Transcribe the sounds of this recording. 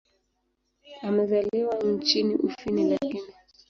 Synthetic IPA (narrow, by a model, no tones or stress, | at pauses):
amɛzaliwan̩t͡ʃiniʔufinilakini